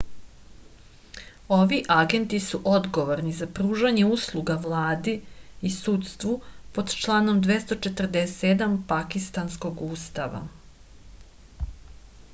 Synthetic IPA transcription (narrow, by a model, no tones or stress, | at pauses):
o̞ʋiʔaɡe̞nt̪isuʔo̞d̪ɡo̞ʋoɾnizapɾuːʒaɲe̞uːslˠuɡaʋlˠaːd̪iisut̪st̪ʋupo̞d̪t͡ʃlˠaːno̞md̪ʋest̪o̞t͡ʃe̞t̪r̩d̪essed̪ampakist̪ansko̞ɡuːst̪aʋa̰